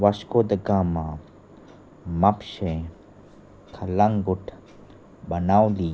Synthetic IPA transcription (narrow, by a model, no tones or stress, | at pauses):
ʋɐʃkoːd̪əɡãːmã | mɐpʃẽ | kʰɐlaŋɡʊʈʰ | bɐnawliː